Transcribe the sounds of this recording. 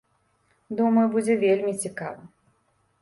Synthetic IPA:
d̪umɐjubud͡zʲɛvʲelʲmʲit͡sʲikavɨ

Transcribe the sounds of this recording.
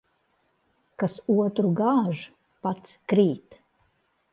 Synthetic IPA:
kasuɔt̪ɾuɡaːʒ | pat̪skɾiːt̪

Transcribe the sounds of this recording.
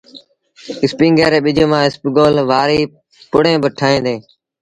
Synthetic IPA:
ɪspĩːŋɡeːɾeːɓɪd͡ʒoːmãːɪspːɡoːlʋaːɾiː | pʊɽẽːbəʈʰaːẽːd̪eː

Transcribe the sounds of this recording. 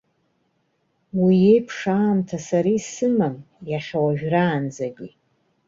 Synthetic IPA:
wije̞jpʰʂaːmtʰasaɾisɨmam | jaχʲawaɥᶣʒᶣraːnd͡zaɡʲi

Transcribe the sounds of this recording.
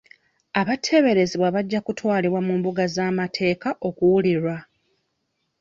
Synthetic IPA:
aβatʰːe̞βe̞ɾe̞ziβwaβaɟːakutwaːliβwamuːmbuɡazaːmatʰe̞ːkaʔo̞kuwuliɾwa

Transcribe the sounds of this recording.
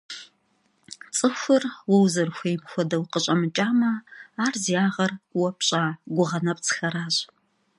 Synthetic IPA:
t͡sʼɨxʷʊrwɔwzɐrxʷeːjmxʷɔdɐwqəɕʼɐmɨt͡ʃʼaːmɐaːrzijaːʁɐrʷʼwɐpɕʼaːɡʷʊʁɐnɐp̚ʼt͡sʰɨ̥xɐɾaːɕ

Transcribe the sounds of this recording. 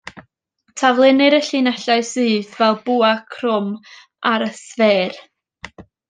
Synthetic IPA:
tʰavlˠɪnɨɾəɬɨnɛɬaɨsɨːðvɛlˠbuːakʰrʊm | aɾəθveːr

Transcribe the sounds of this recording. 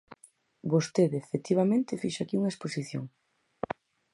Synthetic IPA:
bost̪eðefet̪iβamẽnt̪ɪfiʃakiuŋɐesposiθjo̰ŋ

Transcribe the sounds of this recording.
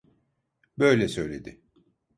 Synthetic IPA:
bø̞jlʲɛsø̞jlʲe̞d̪ɪ

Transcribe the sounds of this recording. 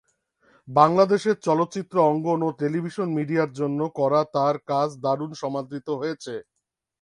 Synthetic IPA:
baŋlad̪eʃeɾt͡ɕɔlot̪ːt͡ɕit̪ːɾoɔŋɡonoʈelibʱiʃonmiɖiaɾd͡ʑonːokɔɾat̪aɾkad͡ʑʰd̪aɾunʃɔmad̪ɾit̪oɦojet͡ɕʰe

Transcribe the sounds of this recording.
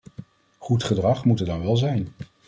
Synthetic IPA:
χutχədrɑχmutədɑnʋɛlˠzɛjn

